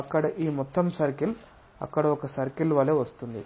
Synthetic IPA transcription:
ɐkːɐɽɐʔiːmɔt̪ːɐmsɐɾkil | ɐ̰kːɐɽɐɔkɐsɐɾkilʋɐleːʋɐst̪und̪ḭ

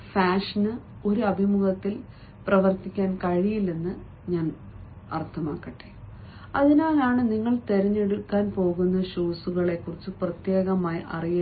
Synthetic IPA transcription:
faːʂɐnɨo̞ɾuɐbʱimuɣɐt̪ːil | prɐʋɐrt̪ikʲːaːnkɐɻijilenːɨ | ɲaːn | ɐ̰rt̪ʰɐmaːkːɐʈːe | ɐðinaːlaːɳɨniŋːɐɭt̪e̞ɾɐɲːe̞ɽukːaːnpo̞ːɣunːɐɕuːsuɣɐɭe̞kːurit͡ɕːɨprɐt̪je̞ːɣɐmaːjiʔɐ̰rijɐ

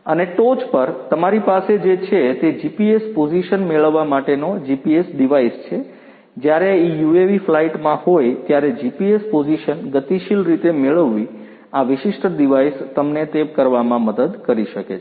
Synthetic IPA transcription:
əneʈot͡ʃpəɾt̪əmaɾipased͡ʒet͡ʃʰet̪ed͡ʒipiespod͡ʒiʃənmeɭəʋːamaʈenod͡ʒipiesɖiʋaist͡ʃʰe | d͡ʒjaɾeijueʋiflaiʈmãhojt̪jaɾed͡ʒipiespod͡ʒiʃənɡət̪iʃilɾit̪emeɭəʋːi | aʋɪʃɪʃʈʰəd̪iʋaist̪əmnet̪ekəɾʋamãməd̪əd̪kəɾiʃəke

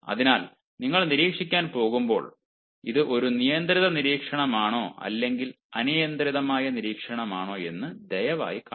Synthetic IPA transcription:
ɐ̰ðinaːl | niŋːɐɭniɾiːkʂikʲːaːnpo̞ːɣumbo̞ːɭ | iðɨʔo̞ɾunijɐnd̪ɾiðɐniɾiːkʂɐɳɐmaːɳo̞ːʔɐ̰lːe̞ŋɡil | ɐnijɐnd̪ɾiðɐmaːjɐniɾiːkʂɐɳɐmaːɳo̞ːe̞nːɨd̪ejɐʋa̰ːjika

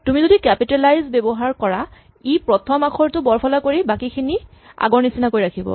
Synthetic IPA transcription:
tumizodikɛpitɛlajzbɛbɔɦaɹkɔɹa | ipɹɔtʰɔmakʰɔɹtʊbɔɹpʰɔlakoɹibakikʰini | a̰ɡɔɹnisinakojɹakʰibɔ̰

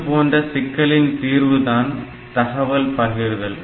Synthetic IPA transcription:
poːndrɐsɪkːɐɭɪnt̪iːɾʋɯðaːn | t̪ɐɣɐʋɐlpɐɾɡɪɾɣɐɭ

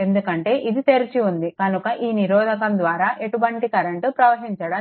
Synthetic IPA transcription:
e̞nd̪ukɐɳʈe̞ːʔid̪it̪e̞ɾit͡ʃiund̪ikɐnukɐʔiːniɾɔːd̪ɐkɐmd̪ʋaːɾaːʔe̞ʈuʋɐɳʈikɐɾɐɳʈupɾɐʋɐɦiɲt͡ʃɐɽɐ

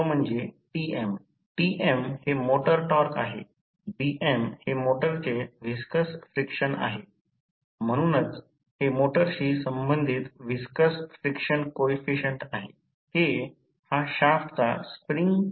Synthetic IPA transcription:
om̤ʊ̃nd͡ʑeʈiːʔem | ʈiʔemhemoːʈəɾʈɔːɾka̰ːɦḛː | biːʔemhemoːʈəɾt͡ɕeʋɪskəsfɾɪkʃəna̰ːɦeː | m̤əɽ̃unət͡s | hemoːʈəɾɕiːsɐ̃mbə̃nd̪ʱɪt̪ʋɪskəsfɾɪkʃənkoefiʃə̃ɳʈaːɦe | he | haʃaːftt͡saspɾɪ̃ŋɡ

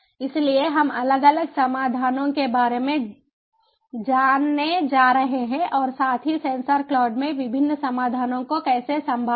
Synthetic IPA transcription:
ɪslieɦɐmɐləɡələɡsɐmaːd̪ʱaːnõkebaːɾemẽ | d͡ʒaːnːed͡ʒaːɾɐɦeɦɛ̃ʔɔːɾsaːt̪ʰɦisẽːnsəɾklɔːɖmẽʋɪbʱɪnːsɐmaːd̪ʱaːnõkokɛːsesɐ̃mbʱa

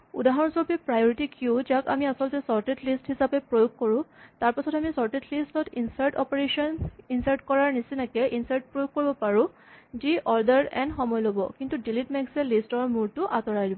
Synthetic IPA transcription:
ṵdaɦɔɹsɔɹpɛpɹajɔɹitikiʊd͡ʒaka̰miasɔltɛsɔɹtetlisthisapɛpɹojoɡ̚koɹʊ̃taɹpasɔtamisɔɹtetlistɔtinsaɹʈɔpeɹeʃɔninsaɹʈkɔɹaɹnisinakɛʔinsaɹʈ̚pɹojoɡ̚kːoɹibɔpaɹʊ̃ | d͡ʒiʔɔɹdɛɹɛ̰nxɔmɔjlobɔkintudilitmeksɛlistɔɹmuɹtʊʔatɔɹajdibɔ

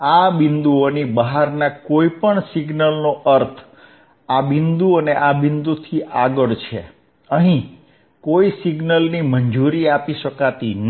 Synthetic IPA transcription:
abɪnd̪uonibəɦaɾnakoipəɳsɪɡnəlnoʔəɾt̪ʰ | abɪnd̪uəneʔabɪnd̪ut̪ʰiʔaɡəɭt͡ʃʰḛ | əɦĩ | koisiɡnəlniməɲd͡ʒuɾiapiʃəkat̪in

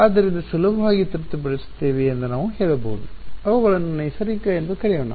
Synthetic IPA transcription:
aːd̪ːɐɾind̪ɐsulubʱɐʋaːɡit̪iɾt̪ːɐp̬ɐɽist̪ːeːʋiend̪unaːʋuɦeːɭubo̰ːd̪uɐʋɐʋɐɭɐnɐnːesɐɾikːɐend̪ukɐɽɛjɐɳɐ̰

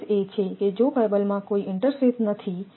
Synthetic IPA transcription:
et͡ʃʰeked͡ʒokajbəlmãkoiʔɪɳʈəɾsɾit̪nət̪ʰi

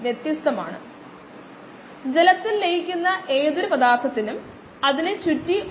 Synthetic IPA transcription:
ʋjet̪ːjɐst̪ɐma̰ːɳɨ̰ | d͡ʑe̞lɐt̪ːillejikʲːunːɐʔe̞ːðuɾupɐd̪aːrt̪ʰːɐt̪ːinum | ɐðinɨt͡ɕutːi

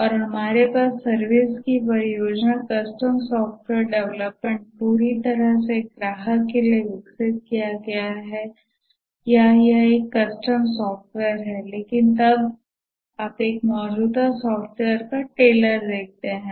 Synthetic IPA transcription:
ɔːɾɦɐmaːɾepaːsːɐɾʋɪskip̬ɐɾijoːd͡ʒnakɐsʈəmsɔːfʈʋeːɾɖɛʋləpmẽɳʈ̚puːɾit̪ɐɾəsekɾaːɦəelieʋɪksɪt̪̚kijaɡɐjaɦɛ | jajaeːkːɐsʈəmsɔːfʈʋɛəɾɦɛleːkɪnt̪ɐb | aːpeːk̚mɔːd͡ʒuːd̪asɔːfʈweəɾkaʈeːləɾd̪eːk̚t̪eɦɛ̃ː

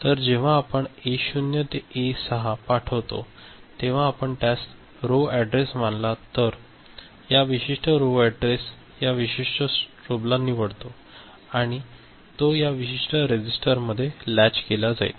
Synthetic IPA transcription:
t̪əɾd͡ʑeʋ̤aːpəɳeɕunjət̪eesəɦapaʈʰəʋt̪o̰ | t̪eʋ̤ãːpəɳʈas | ɾoæɖɾesʋanlat̪əɾ | jaʋiɕiʂʈəɾoʋæɖɾes | jaʋiɕiʂʈəsʈɾoblanːiːʋəɽt̪o | aɽ̃i | t̪ojaʋiɕiʂʈəɾed͡ʑisʈəɾməd̪ʱːjelæt͡ɕkelad͡za̰ḭt̪

